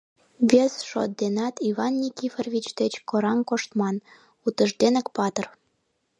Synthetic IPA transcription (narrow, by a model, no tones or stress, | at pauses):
βʲesʃo̰t̪̚d̪enɑt̪iβɑnːʲikʲiferβʲit͡ɕd̪et͡ɕkoɾɑnkoʃt̪mɑn | ut̪əʃd̪enə̆kpɑt̪ər